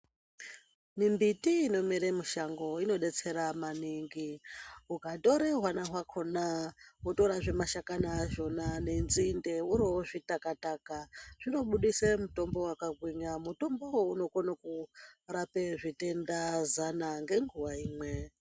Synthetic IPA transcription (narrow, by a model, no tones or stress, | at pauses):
mimbitiːno̞miɾemuʃaŋɡo̞ino̞ɗe̞t͡se̞ɾamaniŋɡiukado̞ɾeɦwanaɦwakʰo̞nawoto̞ɾaʐe̞maʃakanaʒo̞nane̞nzinde̞uɾoʐitakatakaʐ̥ino̞ɓuɗisemuto̞mbo̞wakaɡʱwiɲamuto̞mbo̞uno̞konakurape̞ʐite̞ndazanaŋɡe̞ŋɡuwaiːmwe̞